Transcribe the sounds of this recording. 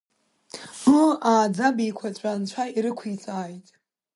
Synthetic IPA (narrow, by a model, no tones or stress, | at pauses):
mɨaːd͡zabiːkʷʰat͡ɕʷʼant͡ʃʷʰaiɾɨkʷʰit͡sʼaːjtʼ